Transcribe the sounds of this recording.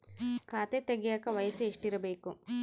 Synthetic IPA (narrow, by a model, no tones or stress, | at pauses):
kaːt̪et̪eɡijaːkɐʋɐjɐsueʂʈiɾɐbeːku